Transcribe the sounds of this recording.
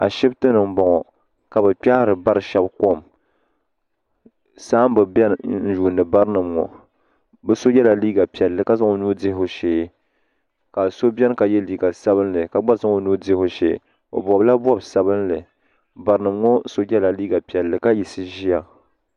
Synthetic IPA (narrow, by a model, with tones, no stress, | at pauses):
a̰˨ʃɛ˦btɨ˦nɨ˨m̩˦bɔ˨ŋɔ˨ | ka˨bɛ˨k͡pa˦hɾɨ˨ba˦ɾɨ˨ʃɛ˦bko˦m | saː˦m̩˦bɨ˨bɛ˦n˨n̩˦ʒu˨nɨ˨ba˦ɾnɨ˨mŋɔ̰˨ | bɛ˦so˦jɛ˦la˨liː˦ɡa˨pi˨ɛ˨lːɨ˨ka˦za˦ŋo˨nuː˦dɪ˦ho˨ʃe˨˦ | ka˨so˦bʲɛ˦n˦ka˨jɛ˦liː˨ɡa˨sa˦bɨ˦nlɨ˨ka˨ɡ͡ba˦za˦ŋo˨nuː˦dɪ˦ho˨ʃḛ˨ | o̰˨bɔ˨bla˦bɔ˦˨bsa˨bɨ˦nlɨ˨ | ba˨ɾɨ˦nɨ˨mŋɔ˦so˦jɛ˦la˨liː˦ɡa˨pi˨ɛ˨lːɨ˨ka˦ji˨sɨ˦ʒi˦a˨